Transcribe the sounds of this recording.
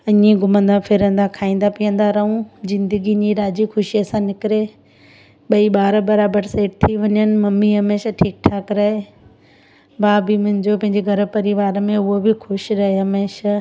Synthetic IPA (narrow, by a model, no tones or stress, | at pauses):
ɐɲĩɡʊmə̃nd̪afʰɪɾə̃nd̪akʰaːĩːnd̪apijə̃nd̪aɾɐɦũzɪ̃nd̪əɡiɲiɾaːd͡ʑixʊʃiəsãnɪkɪɾe | ɓɐiɓaːɾbɐɾaːbəɾseːʈ̚t̪ʰiʋɐɲənɪ̆mɐmːiɦɐmeːʃaʈʰiːk̚ʈʰaːkɾɐɦe | baːbimʊ̃ɦɪ̃ɲd͡ʑopɐ̃ɦɪ̃ɲd͡ʑeɡʱɐɾ̆pɐɾiʋaːɾmẽʊɦobɪxʊʃɾɐɦeɦɐmeːʃa